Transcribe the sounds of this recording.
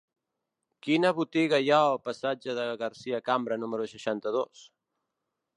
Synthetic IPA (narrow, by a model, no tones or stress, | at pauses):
kinəβut̪iɣəjaəlˠpəsad͡ʒəðəɣəɾsiəkambɾənuməɾusəʃant̪əðos